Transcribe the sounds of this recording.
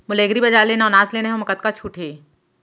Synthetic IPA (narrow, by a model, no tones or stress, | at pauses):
mʊleːɡɾibɐd͡ʒaːleːnaːnaːsleːneɦõmɐkət̪̚kat͡ʃʰuːʈʰeː